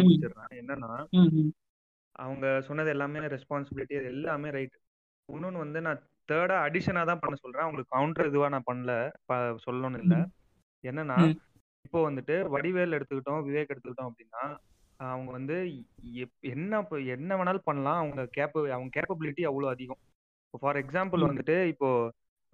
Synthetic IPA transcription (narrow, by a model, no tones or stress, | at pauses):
t͡ʃːɯɾɾãːɛnːɐnːãː | ʔɐ̰ʋɐŋɡɐsɔnːɐðɯɛlːaːmeːɾɛspaːnsɪbɪlɪʈːiɐðɛlːaːmeːɾɐɪʈːɯ̥ | ʊnːonɯʋɐnd̪ɯnãː | t̪eːɽaːɐɽɪʂɐnaːt̪ãːpɐɳːɐsɔlɾẽːɐʋɐŋɡɐɭɯkːkːɐwʊɳʈɾɐɪðɯʋaːnãːpɐɳːɐlɐpɐsɔlːoːnɪlːɐ | ɛnːɐnːaː | ɪpːoːʋɐnd̪ɯʈːɯʋɐɽɪʋeːlɛɽɯt̪ːɯkːɪʈːõʋɪʋeːkɛɽɯt̪ːɯkːɪʈːʊ̃ːɐpːɐɽɪnːaː | ɐʋɐŋɡɐʋɐnd̪ɯɛɛnːɐɛnːɐʋɐnaːlpɐɳːɐlãːɐʋɐŋɡɐkeːpɐɐʋɐŋɡɐkeːpɐbɪlɪʈːiɐʋːɐɭoːɐðɪɣɐ̃ | ɪpːoːfaːɾɛksaːmpɐlʋɐnd̪ɯʈːɯɪpːoː